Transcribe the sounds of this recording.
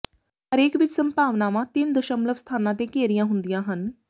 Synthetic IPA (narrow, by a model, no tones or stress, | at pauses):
həɾeːkʋɪt͡ʃsəmpaːʋnaːʋãːt̪ɪnd̪əʃəmləʋst̪ʰaːnãːt̪̬ẽːkeːɾijãːɦʊnd̪ijãːɦən